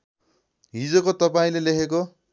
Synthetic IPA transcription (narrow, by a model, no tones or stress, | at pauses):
ɦid͡zokot̪ʌpaĩlelekʰek̬o